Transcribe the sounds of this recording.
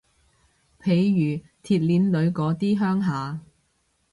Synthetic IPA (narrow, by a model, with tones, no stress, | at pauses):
pʰe˨˧˥jjyː˨˩ | t̪ʰiː˧t̚liː˨˧˥nlɵ˨˧ɥkɔː˨˧˥t̪iː˥ɦœː˥ŋɦaː˨˧